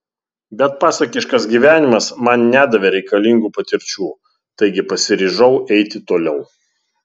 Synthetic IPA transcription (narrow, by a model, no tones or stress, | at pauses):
bʲɛt̪̚pɑːsɐkʲɪʃkɐsɡʲiːʋʲæːnʲɪmɐsmɐnnʲæːd̪ɐʋʲɛɾʲɛɪkɐlʲɪŋɡuːpɐt̪ʲɪɾʲt͡ʃʲuː | t̪ɐɪɡʲɪpɐsʲɪɾʲiːʒɐʊʔɛɪt̪ʲɪt̪oːlʲɛʊ